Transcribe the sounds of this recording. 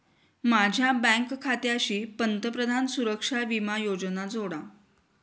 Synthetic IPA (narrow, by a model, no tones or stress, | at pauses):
mad͡ʑʱjabə̃ŋkkʰːat̪jaɕiːpənt̪əpɾəd̪ʱansuɾəkʂaʋimajod͡znad͡zoɽa